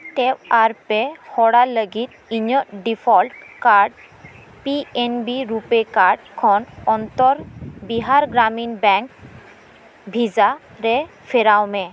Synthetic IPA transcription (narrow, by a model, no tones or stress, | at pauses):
ʈebaɾpehɔɽaləɡit̪̚ | iɲɔʔɖipʰɔlʈkaɾɖ | pienbiɾupekaɾɖkʰɔnɔnt̪ɔɾbiɦaɾɡɾaminbɛŋk | bʱiza | ɾe | fʰeɾawme